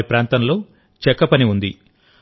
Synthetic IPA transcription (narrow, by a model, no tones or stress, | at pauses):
ɐpɾaːnt̪ɐmlo̞ː | t͡ʃɛkːɐpɐniund̪i